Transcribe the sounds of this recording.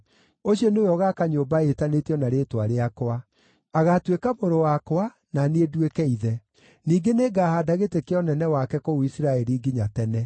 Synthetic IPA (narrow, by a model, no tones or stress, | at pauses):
oɕɔnojɔɣakaɲoːbaetaneteɔnaɾeːtwaɾeakoa | aɣatwekamoɾowakwa | naneedwekɛiðɛ | niːɡeneɡaːhadaɣetekeɔnɛnɛwakɛkouisiɾaɛɾiɡiɲatɛnɛ